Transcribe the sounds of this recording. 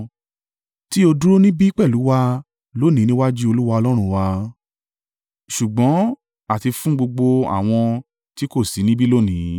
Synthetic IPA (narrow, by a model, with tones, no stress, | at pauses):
ti˦o˧du˦ɾo˦nĩ˦bi˦i˦k͡pɛ˦˨lu˨˦wa˧ | lo˦nĩ˨˦nĩ˦wa˦d͡ʒi˦o˧lu˦wa˧ɔ˧lɔ˦ɾ̃ũ˦˧˨wa˧ | ʃu˨ɡ͡bɔ̃˨˦ | a˨ti˧fũ˦ɡ͡bo˧ɡ͡bo˧a̰˨w̃ɔ̃˧ | ti˦ko˦˨si˨˦nĩ˦bi˦lo˦nĩ˨˦